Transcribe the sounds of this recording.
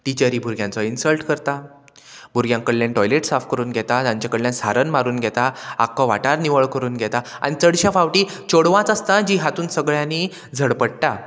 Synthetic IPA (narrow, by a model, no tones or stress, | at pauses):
ʈit͡ɕəɾiːbʱuɾɡʱjãnt͡sɔinsəlʈkəɾt̪a | bʱuɾɡjãŋkəɽljãnʈɔjleʈsafkəɾuːnɡʱɛt̪at̪ãɲt͡ɕakəɽljãnsaɾənmaɾuːnɡʱɛt̪aa̰kːɔʋa̰ʈaɾniʋəɭkəɾuːnɡʱɛt̪aa̰ñit͡səɽɕafaʋʈiːt͡ɕoɽʋãt͡sast̪ad͡ʑiːɦat̪uːnsəɡɭjãni | d͡zʱəɽpəɽʈa